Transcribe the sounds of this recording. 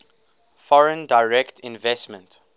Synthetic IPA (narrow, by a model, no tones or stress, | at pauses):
fɔɹə̃ndaɪɹɛktʰɪ̃nvɛstmə̃nt